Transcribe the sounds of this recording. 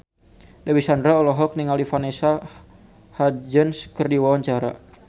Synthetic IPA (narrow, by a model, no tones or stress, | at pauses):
dawisandɾaɔlɔɦɔk̚niŋalifanesa | had͡ʒənskərdiwawaɲt͡ʃaɾa̰